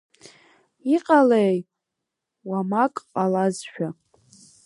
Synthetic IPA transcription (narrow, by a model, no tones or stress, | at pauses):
iqʼalej | wamakʼqʼalazʃᶣa